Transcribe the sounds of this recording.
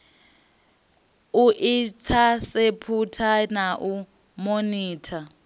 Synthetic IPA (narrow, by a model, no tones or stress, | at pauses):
uʔit͡sʰasepʰutʰanaʔu | moniːtʰa